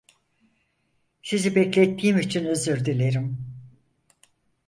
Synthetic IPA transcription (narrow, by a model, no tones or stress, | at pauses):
sizibɛclʲet̪ʰːiːmit͡ʃʰinøzyɾd̪ilʲeɾim